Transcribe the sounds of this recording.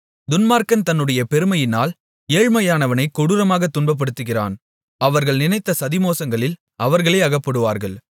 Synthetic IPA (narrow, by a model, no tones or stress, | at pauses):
d̪ʊnmaːɾkɐnt̪ɐnːɯɽɐjɐpɛɾɯmɐjɪnaːl | eːɻmɐjaːnɐʋɐnɐɪkːʊɽɯɾɐmaːɣɐt̪ːʊɳbɐp̬ːɐɽɯt̪ːɯɣɪra̰ːn | ɐʋɐɾɣɐɭnɪnɐɪt̪ːɐsɐðɪmoːsɐŋɡɐɭɪl | ɐʋɐɾɣɐɭɐɪɐɣɐpːɐɽɯʋaːɾɣɐɭ